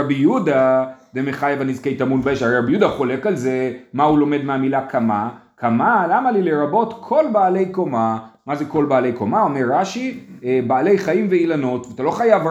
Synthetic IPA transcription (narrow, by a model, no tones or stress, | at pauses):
abijudademeχajavanizkejt̪amunbeʃaɾeɾabijudaχo̞le̞kalze̞maulo̞med̪meamilakʰama | kʰamalamalileɾabo̞t̪kʰo̞lbaːle̞jko̞mamaze̞kolbaːle̞jko̞mao̞meɾːaʃiebaːle̞jχaimveilano̞tveat̪alo̞χajav